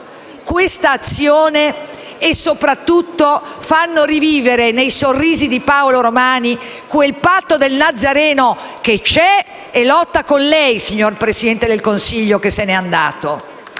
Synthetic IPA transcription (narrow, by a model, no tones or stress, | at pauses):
kwest̪aːt̪sːjoːneː | sːopɾat̪ːut̪ːofanːoriviːveɾenejsorːiːzid̪ipaoloɾomaːni | kwelpat̪ːod̪elnad̪zːaɾɛːnok̟et͡ʃɛ | elɔt̪ːakonlɛjsiɲːorpɾesid̪ɛnt̪ed̪elkonsiʎːokesːenɛand̪a̰ːt̪o